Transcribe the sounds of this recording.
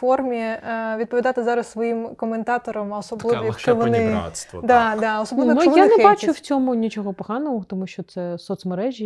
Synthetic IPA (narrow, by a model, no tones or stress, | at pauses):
fɔrmʲiʋʲid̪̚pɔʋʲid̪ɑt̪ɪzɑɾɐssʋɔjimkɔment̪ɑt̪ɔɾɐmɔsɔblˠɪʋʋɔjɐkʃt͡ʃɔʋɔnɪd̪ɑd̪ɑɔsɔb̪ɪʋɔnujjanɛbat͡ʃʊw̥t͡sʲɔmʊnʲit͡ʃɔɦɔpɔɦɑnɔɦɔt̪ɔmuʃt͡ʃɔt̪sɛsɔt̪smeɾɛʒʲi